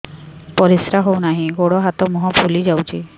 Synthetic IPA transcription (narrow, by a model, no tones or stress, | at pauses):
pɔɾisɾaɦownaɦĩɡoɽɔɦat̪ɔmɔɦɔpʰulid͡ʒawt͡ʃʰi